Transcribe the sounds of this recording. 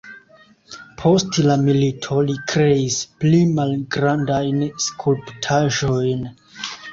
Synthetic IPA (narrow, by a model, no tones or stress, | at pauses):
pʰo̞stlamilitʰo̞likɾe̞isplimalɡɾandajnskʰulptʰaʒo̞jn